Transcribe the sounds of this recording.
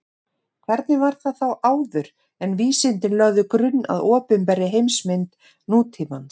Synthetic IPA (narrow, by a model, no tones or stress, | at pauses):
kʰv̥ɛɾt̪nɪvaɾ̥θaðθawʔaːwðʏɾ | ɛnviːsɪnt̪ɪnlœɣðʏkɾʏnːa̰ðɔːpʏnpɛɾɪɦejmsmɪnt̪ | nuːt̪ʰiːman